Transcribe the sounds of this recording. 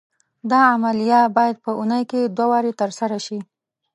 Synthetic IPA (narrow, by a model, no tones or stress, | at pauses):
d̪ɑamalijɑt̪bɑjad̪̚pəunəjked̪wawɑɾet̪əɾsaɾaʃi